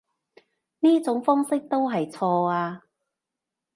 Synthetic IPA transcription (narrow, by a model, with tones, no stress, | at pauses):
niː˥t͡sʊ˨˥ŋfɔː˥ŋsɪ˥k̚t̪o˥wɦɐ˨jt͡sʰɔː˧aː˧